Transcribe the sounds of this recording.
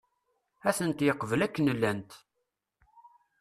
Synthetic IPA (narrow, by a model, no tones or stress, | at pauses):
æθənt̪jəqːvəlækːənəlːænt̪